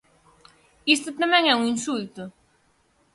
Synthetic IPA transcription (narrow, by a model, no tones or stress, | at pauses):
ist̪ʊt̪amɛ̃ŋɛuŋĩnsult̪ʊ